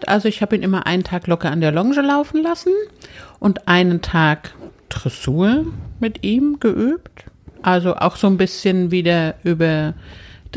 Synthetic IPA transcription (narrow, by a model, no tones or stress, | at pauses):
tʔa̰lzoɪçhaːbəiːnʔɪmɐʔa̰ɪnəntʰaːklɔkɐandeːɐlɔŋʒəlaʊfn̩lasn̩ʔʊntʔaɪnəntʰaːktʁ̥ɛsuːɐmɪtʔiːmɡ̥əʔyːptʔalzoʔa̰ʊxz̥oːnbɪsçənviːdɐʔyːbɐ | d̥